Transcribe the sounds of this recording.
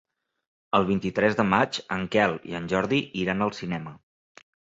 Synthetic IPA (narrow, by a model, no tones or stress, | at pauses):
əlˠβ̞int̪it̪ɾɛzðəmat͡ʃəŋkɛlˠḭənʲʒɔɾðiʔiɾanəlˠsinɛmə